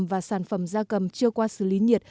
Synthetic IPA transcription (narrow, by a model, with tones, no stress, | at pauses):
mvaː˨˩saː˧˩nfə˧˩mzaː˧kə˨˩mt͡ɕɨ˧əkwaː˧sɨ̰˧˩li˨˦ɲi˨˩ət̚